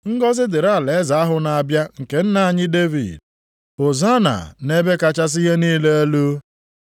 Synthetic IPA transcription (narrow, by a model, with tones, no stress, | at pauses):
ŋ̩˦ɡɔ˦zɪ˦dɪ˨ɾa˦˨le˨˦za˨a˦ɦʊ˨na˨a˨bja˦ŋ̩˨ke˨n̩˦na˨a˨ɲɪ˦de˦vḭ˨d | ʊ˨za˦na̰˨ne˦be˦ka˦t͡ʃa˦s̬i˦ɦe˦niː˦le˦a˦lu˦